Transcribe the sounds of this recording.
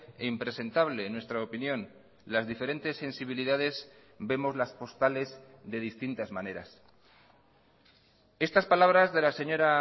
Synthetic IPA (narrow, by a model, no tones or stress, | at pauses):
eimpɾe̞se̞nt̪aβ̞lenwe̞st̪ɾaopinjõ̞n | lazðife̞ɾe̞nt̪e̞sːe̞nsiβ̞iliðaðe̞z | be̞mo̞zlaspo̞st̪ale̞z | ðe̞ðist̪int̪azmãne̞ɾa̰s | e̞st̪aspalaβ̞ɾazðe̞lase̞ɲo̞ɾa